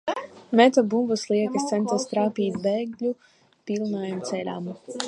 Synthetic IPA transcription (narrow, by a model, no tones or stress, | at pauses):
mɛt̪ɔbumbuslˠiɛkɨst̪sɛnt̪ast̪ɾaːpiːt̪beːɡlʲu | piːlˠnaːjamt̪sɛlʲa̰ːm